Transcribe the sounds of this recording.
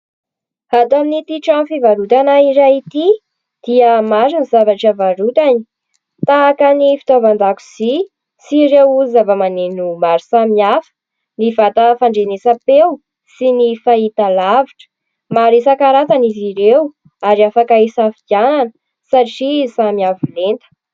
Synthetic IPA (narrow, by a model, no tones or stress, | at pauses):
hat̪aminit̪iʈ͡ʂamfivaɾut̪anaiɾait̪i | d̪̥iəmaɾinizavaʈ͡ʂəvaɾut̪ani̥ | t̪aːkənifi̥t̪ovand̪aku̥z̥i | siɾewzavəmanenumaɾisamiafə̥ | nivat̪əfaɳɖ͡ʐenesapew | sinifait̪alaviʈ͡ʂə̥ | maɾesakaɾat̪aniziɾew | aɾiafakaesafiɡananə | saʈ͡ʂisamiavilent̪ə̥